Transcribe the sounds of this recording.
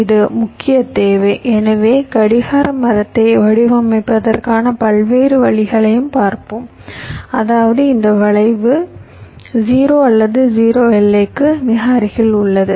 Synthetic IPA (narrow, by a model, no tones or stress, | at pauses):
ɪðɯmʊkːɪjɐt̪eːʋɐɪʔɛnɐʋeːkɐɽɪɣaːɾɐmɐɾɐt̪ːɐɪʋɐɽɪʋɐmɐɪpːɐðɐrkaːnɐpɐɭʋeːɾɯʋɐɭɪɣɐɭɐjɯmpaːɾpɯm | ɐðaːʋɐðɯɪnd̪ɐʋɐɭɐɪʋɯ | d͡ʒiːɾoːɐlːɐðɯd͡ʒiːɾoːɛlːɐkːɯnɪɣaːɾɪɣɐɭʊɭːɐðɯ